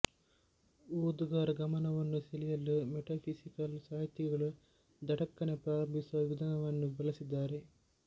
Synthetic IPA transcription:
uːd̪uɡaːɾɐɡɐmɐnɐʋɐnːuselijɐlːumeʈaːpʰisikɐlsaːɦit̪jɐɡɐɭu | d̪ɐʈɐkːɐnepɾaːɾɐmbʱisuʋɐʋid̪ʱɐnɐʋɐnːubɐlisid̪ːaːɾe

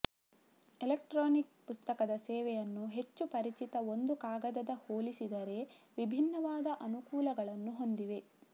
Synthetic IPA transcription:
ilek̚ʈɾoːnik̚pust̪ɐkɐd̪ɐsɛːʋɛjɐnːuɦe̞t͡ʃːupɐɾit͡ʃit̪ɐo̞nd̪ukaːɡɐd̪ɐd̪ɐhoːlisid̪ɐɾe̞ʋibʱinːɐʋaːd̪ɐʔɐnukuːlɐɡɐɭɐnːuɦo̞nd̪iʋe̞

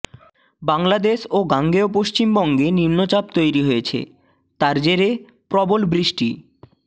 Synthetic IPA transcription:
baŋlad̪eʃoɡaŋɡeopoʃt͡ɕimbɔŋɡenimnot͡ɕab̚t̪ojɾiɦoet͡ɕʰḛ | t̪aɾd͡ʑeɾe | pɾɔbolbɾiʃʈi

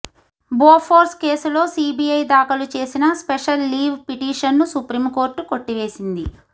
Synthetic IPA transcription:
boːpʰoːɾske̞ːsulo̞ːsiːbijɐjd̪aːkɐlut͡ʃe̞ːsinɐspeʂɐlːiːʋpiʈiːʂɐnːusupɾiːmko̞ːɾʈuko̞ʈːiʋe̞ːsind̪i

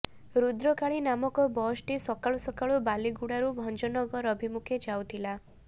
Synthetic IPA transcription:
ɾud̪ɾɔkaɭinamɔkɔbɔsʈisɔkaɭusɔkaɭubaliɡuɽaɾubʱɔnd͡ʒɔnɔɡɔɾɔbʱimukʰed͡ʒawt̪ʰila

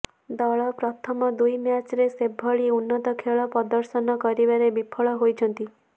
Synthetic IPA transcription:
d̪ɔɭɔpɾɔt̪ʰɔmɔd̪ujmjat͡ʃɾesebʱːɔɭiunːɔt̪ɔkʰeɭɔpɔd̪ɔɾsɔnɔkɔɾibaɾebipʰɔɭɔɦojt͡ʃʰɔnt̪i

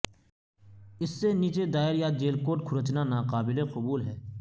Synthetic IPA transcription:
ɪsːeniːt͡ʃed̪aːɪɾjaːd͡ʒeːlkoːʈkʰʊɾət͡ʃnanaːqaːbɪleqʊbuːlɦɛː

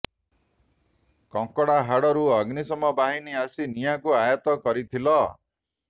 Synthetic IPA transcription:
kɔŋkɔɽaɦaɽɔɾuɔɡnisɔmɔbaɦiniasinijakuajɔt̪ɔkɔɾit̪ʰilɔ

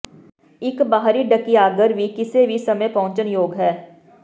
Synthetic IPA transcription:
ɪkbaːɦɾiɖɐkiaːɡəɾbʱikɪsebʱisɐməjpɐɦʊ̃t͡ʃənjoːɡɦɛː

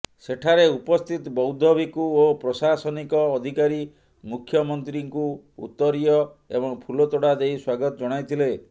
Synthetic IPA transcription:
seʈʰaɾeupɔst̪ʰit̪bɔwd̪ʱɔbikuopɾɔsasɔnikɔːd̪ʱikaɾi | mukʰːjɔmɔnt̪ɾiŋku | ṵt̪ːɔɾijɔḛbɔŋpʰulɔt̪ɔɽad̪ejswaɡɔt̪ɔd͡ʒɔɽ̃ajt̪ʰile

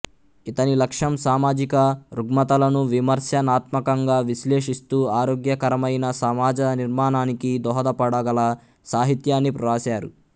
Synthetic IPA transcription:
it̪ɐnilɐkʂɐmsaːmaːd͡ʒikɐɾuɡmɐt̪ɐlɐnuʋimɐɾsjɐnaːt̪mɐkɐŋɡaːʋisle̞ːʂist̪uːaːɾoːɡjɐkɐɾɐmɐjnɐsɐmaːd͡ʒɐniɾmaːnaːnikid̪ɔːɦɐd̪ɐpɐɽɐɡɐlɐ | saːɦit̪jaːnːipɾɐɾaːsaːɾṵ

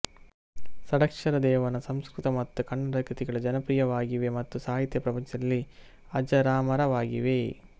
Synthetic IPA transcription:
sɐɽɐkʂɐɾɐd̪ɛːʋɐnɐsɐmskɾut̪ɐmɐt̪ːukɐɳːɐɾɐkɾit̪iɡɐɭɐd͡ʒɐnɐpɾijɐʋaːɡiʋemɐt̪ːusaːɦit̪jɐpɾɐpɐɲt͡ʃɐd̪ɐlːi | ɐd͡ʒɐɾaːmɐɾɐʋaːɡiʋe

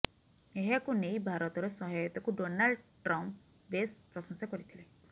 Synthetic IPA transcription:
eɦekunejbʱaɾɔt̪ɔɾesɔɦajɔt̪ɔkuɖonaɭɖʈɾɔmp | bespɾɔsɔŋsɔkɔɾit̪ʰile

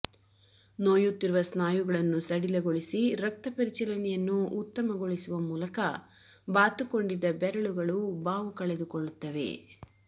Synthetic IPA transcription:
noːjut̪ːiɾuʋɐsnaːjuɡɐɭɐnːusɐɽilɐɡoɭisiɾɐk̚t̪ɐpɐɾit͡ʃɐlɐnɛjɐnːuːt̪ːɐmɐɡoɭisuʋɐmuːlɐkɐ | baːt̪ukoɳɖid̪ːɐbɛɾɐɭuɡɐɭubaːʋukɐɭed̪ukoɭːut̪ːɐʋe̞̰

